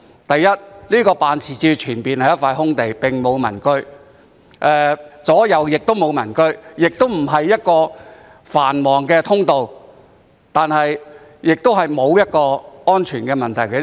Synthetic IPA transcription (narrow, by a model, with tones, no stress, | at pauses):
t̪ɐ˨jːɐ˥t̚liː˥kɔː˧paː˨nt͡sʰiː˨˩t͡siː˧wt͡ʃʰyː˨˩npiː˨nhɐ˨jɐ˥tfaː˧jɦʊ˥ŋt̪e˨jpɪ˨ŋmo˨˧wmɐ̰˨˩nkɵ˥ɥ | ʔɛː˨˧t͡sɔː˨˥jɐ˨˧wjɪ˨k̚t̪o˥wmo˨˧wmɐ˨˩nkɵ˥ɥjɪ˨k̚t̪o˥wm̩˨˩ɦɐ˨jːɐ˥t̚kɔː˧ | faː˨˩nmɔː˨˩ŋkɛː˧t̪ʰʊ˥ŋt̪o˨w | t̪aː˨nhɐ˨j | jɪ˨k̚t̪o˥wɦɐ˨jmo˨˧wjɐ˥t̚kɔː˧ɔː˥nt͡ʃʰyː˨˩nkɛː˧mɐ˨nt̪ʰɐ˨˩jkɛ˧